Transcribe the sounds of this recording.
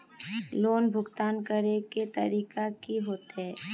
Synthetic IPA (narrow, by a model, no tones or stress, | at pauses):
loːnbʱʊɡt̪aːnkəɾeket̪ɐ̰ɾiːkakiɦoːt̪eɦɛ̃ː